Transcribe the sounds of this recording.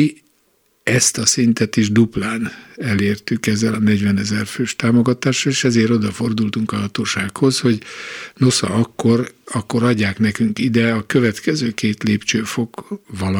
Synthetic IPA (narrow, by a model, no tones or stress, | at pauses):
ɛst̪ɒsint̪ɛt̪iʒd̪uplaːnɛleːrt̪ykɛzːɛlɒnɛɟʋɛnɛzɛrføːʃt̪aːmo̞ɡɒt̪aːʃːɒleːʃɛzeːɾo̞d̪ɒfo̞rd̪ult̪uŋkɒɦɒt̪oːʃaːkho̞sho̞ɟnosɒ̰ɒkːo̞rɒkːo̞ɾɒɟːaːknɛkyŋkid̪ɛɒkø̞vɛt̪kɛzøːkeːt̪leːpt͡ʃøːfo̞kʋɒl